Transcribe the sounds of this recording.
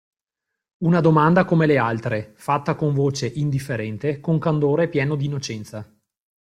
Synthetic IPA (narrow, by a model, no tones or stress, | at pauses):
unad̪omand̪akomelealt̪ɾefat̪ːakoɱvoːt͡ʃeʔind̪ifːeɾɛnt̪ekoŋkand̪oːɾepjɛːnod̪iːnːot͡ʃɛnt̪sa